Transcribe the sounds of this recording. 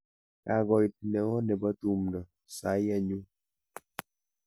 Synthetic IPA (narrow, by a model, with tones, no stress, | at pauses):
a˨ɡɔ˨jp̚nɛ˨wɔ˦nɛ˨ba˦t̪u˦˨mnɔ˨ | sa˨˦ja˦ɲu˦